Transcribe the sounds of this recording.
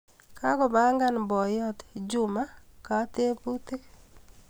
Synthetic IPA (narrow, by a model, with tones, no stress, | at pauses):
kʰa˦ko˨ba˦ŋɡa˦nbɔ˨jɔ˦td͡ʒu˨ma˦ka˨te˦pu˦te˦